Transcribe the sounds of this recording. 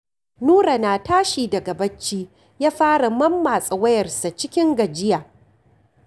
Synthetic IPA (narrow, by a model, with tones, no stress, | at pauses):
nuː˦ɾa˨naː˨taː˦ʃiː˨dɐ˨ɡɐ˨bɐ˦t͡ʃːiː˦ | jaː˦ɸaː˦ɽa˨mɐ˦mːaː˨sʼɐ˨wɐ˦jɐ˨rsa˨t͡ʃɪ˦kʲɪ˦ŋɡɐ˨d͡ʒɪ˦jaː˨